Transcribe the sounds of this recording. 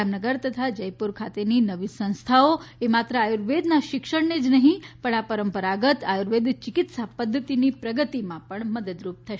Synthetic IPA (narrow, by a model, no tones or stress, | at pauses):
amnəɡəɾt̪ət̪ʰad͡ʒəjpuɾkʰat̪eninəʋisə̃ñst̪ʰaoemat̪ɾəajuɾʋed̪naʃɪkʃəɳned͡ʒnəɦĩpəɳapəɾəmpəɾaɡət̪ajuɾʋed̪t͡ʃɪkɪt̪sapəd̪ʱːət̪inipɾəɡət̪imãpəɳməd̪əd̪ɾup̚t̪ʰəʃ